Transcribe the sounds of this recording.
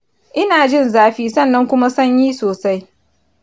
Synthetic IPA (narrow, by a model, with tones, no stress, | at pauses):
ʔɪ˦naː˨d͡ʒɪ˦˨nzaː˦ɸiː˦sɐ˦˨nːɐ˦ŋkʷʊ˦ma˦sɐ˦ɲjiː˦soː˨sa˦j